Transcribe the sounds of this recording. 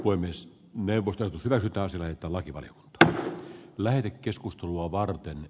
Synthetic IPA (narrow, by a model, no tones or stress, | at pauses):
poemːes | neuʋːˑost̪esot̪ushyʋæksyt̪ːˑæːɑsijɑlæhet̪ːˑæːlɑkiʋɑ̰lijo̰ku̥nt̪ɑ̥ | læhet̪ekkeskust̪eluɑʋɑrt̪en